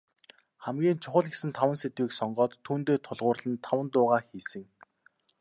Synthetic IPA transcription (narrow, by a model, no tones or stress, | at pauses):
χæmɡʲiːnt͡ɕʰʊχə̆ɮɡesɘ̆nt̪ʰawə̆nset̪wiːksɔɴɢɔːt̪ʰːuːnt̪eːt̪ʰʊɮʁʊːrɮə̆nt̪ʰːawə̆nt̪ʊːʁaːxiːsɘ̆ŋ